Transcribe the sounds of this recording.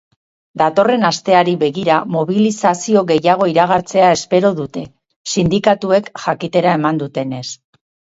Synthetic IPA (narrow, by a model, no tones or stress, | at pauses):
d̪at̪o̞re̞nast̪e̞aɾiβe̞ɣiɾamo̞β̞ilisasio̞ɣe̞jaɣ̞o̞iɾaɣ̞aɾt͡se̞ae̞spe̞ɾo̞ðut̪e̞ | sind̪ikat̪ue̞kʝakit̪e̞ɾae̞mand̪ut̪e̞ne̞s